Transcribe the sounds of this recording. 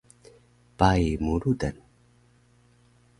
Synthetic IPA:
pajmuɾudan

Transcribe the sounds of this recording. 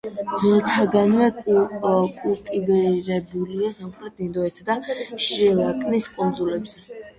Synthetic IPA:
d̪zɛlˠt̪ʰaɡanvɛ | kʼult̪ʼibɛɾɛbuliasamχʰlɛd̪ind̪ɔɛt̪sʰd̪aʃilˠakʼniskʼɔnd̪zulɛbzɛ

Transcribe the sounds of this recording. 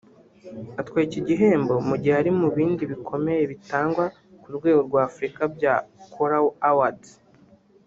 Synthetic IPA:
atkwaːjiciɟiɦe̞ːmbo̞muɟiheaɾimuβiːndiβikʰo̞me̞jeβitaːŋɡwa | kuɾɡwe̞ːɡo̞ɾɡwaːfɾikabjakʰoɾawawad

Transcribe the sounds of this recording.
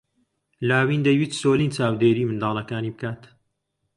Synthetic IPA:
laːwiːnd̪ɐjwiːt̪soːliːnt͡ʃaːwd̪eːɾiːmɨnd̪ɑːlˠɐkaːniːbɨkaːt̪

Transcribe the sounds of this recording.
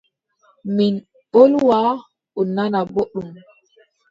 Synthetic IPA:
min | ɓolwa | ɔnanaboɗːum

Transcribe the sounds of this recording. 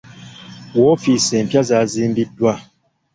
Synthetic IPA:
wɔfisɛm̩pjazazim̩bidwa

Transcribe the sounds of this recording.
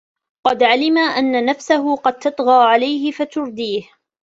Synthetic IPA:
qɑd̪ʕalɪmaʔanːanafsaɦʊqɑd̪̚t̪ɑt̪ˤɣɑːʕalajhɪfat̪ʊɾd̪iːh

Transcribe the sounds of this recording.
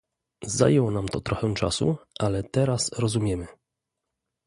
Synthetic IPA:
za̰jɛwɔnamt̪ɔt̪ɾɔxɛw̃t͡ʂa̰sṵʔalɛt̪ɛɾasɾɔzumʲjɛmɘ

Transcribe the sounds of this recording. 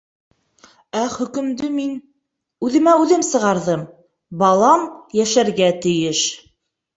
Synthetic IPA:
æχɵ̆kɵ̆md̪ɵmin | ʉðɘ̆mæʉðɘmsɤ̆ʁɑɾðɤm | bɑlˠɑmjæʃæɾɡæt̪ɘ̆jɘʃ

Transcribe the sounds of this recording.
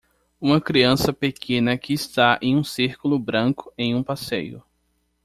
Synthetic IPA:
ũmɐkɾiɐ̃sɐpekʰẽnɐkɪːst̪aẽj̃ũsiɾkulʊbɾɐ̃kʊ̥ẽj̃ũpasejʊ̰

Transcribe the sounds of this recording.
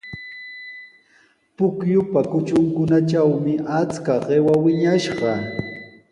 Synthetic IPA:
pʊkjʊpakʊt͡ʃʊŋkʊnat͡ʃawmɪʔat͡skaɢewawɪɲaʃɢɑ

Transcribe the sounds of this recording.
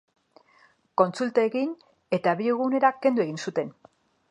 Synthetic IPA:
ko̞nt͡sult̪aeɣin | e̞t̪aβiɣune̞ɾakːe̞nd̪ue̞ɣinsut̪e̞n

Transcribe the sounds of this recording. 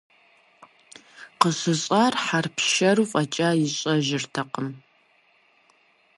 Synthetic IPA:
qəɕɨɕʼarħarpʰʃɐrufʼɐt͡ʃʼaːjɪɕʼɐʒɪrtʰɐqəm

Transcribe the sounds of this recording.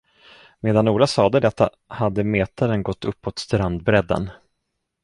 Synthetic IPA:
meːd̪anuːlasɑːd̪əd̪ɛt̪ːa | had̪ːəmeːt̪ʰaɾənɡɔt̪ʰːɵpːot̪st̪ɾand̪bɾɛd̪ːə̰n

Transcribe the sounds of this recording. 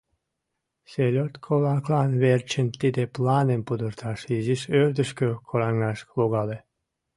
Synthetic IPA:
selʲot̪kʰolɑklɑnβert͡ɕənt̪id̪eplɑnempud̪ərt̪ʰɑʃiziʃørd̪əʃkøkʰoɾɑŋːɑʃloɣɑle

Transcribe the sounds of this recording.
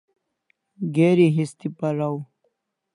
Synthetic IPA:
ɡeːɾiɦist̪ipɐɾaw

